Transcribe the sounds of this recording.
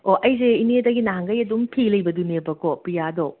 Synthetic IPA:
oʔɐjzeinedɐɡinaŋɡɐjɐdumpʰilɐjbɐdunebɐkʰopɾijado

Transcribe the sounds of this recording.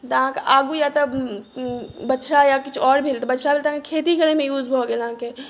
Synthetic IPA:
t̪ɐɦãkeʔaːɡujat̪ɐ | bɐt͡ʃʰɾajakɪt͡ʃʰɔːɾbʱilt̪bɐt͡ʃʰɾabʱilt̪ɐɦãkekʰeːt̪ikəɾemẽjuːd͡ʒbʱoɡelɦãke

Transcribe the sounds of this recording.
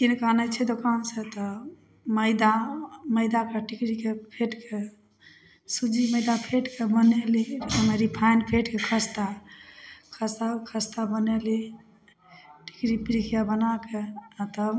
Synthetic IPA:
kinkanət͡ʃʰɛd̪okanset̪ɔ | məɪd̪aməɪd̪akeʈikɾikepʰeʈke | sud͡ʒiməjd̪apʰeʈkebəneliəmeɾipʰajnpʰeʈkekʰəst̪a | kʰəst̪akʰəst̪abəneli | ʈi̥kɾipiɾikʰijabənakeat̪ə

